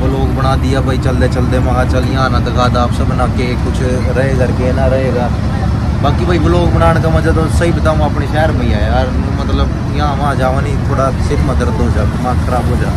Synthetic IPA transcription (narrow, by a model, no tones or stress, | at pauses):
bʊloːɡbəɽ̃aːd̪ijaːbaːiːt͡ʃəld̪eːt͡ʃəld̪eːmãːat͡ʃəljãnãːd̪əkʰaːd̪aːpsəbnaːkekʊt͡ʃʰ | ɾəɦeːɡaːɾkenaɾəɦeːɡaː | baːkibʱaːibəloːɡ̚bəɽ̃aːɳ̃kamãd͡ʒaːt̪osəɦibɪt̪aːmãːəpɳeʃɛːəɾmẽaːeɾmət̪ləb | jãːʋãd͡ʒaːʋãːnĩt̪ʰoːɽasɪɾməd̪əɾd̪oːd͡ʒaːmãːkʰəɾaːbɦoːd͡ʒaː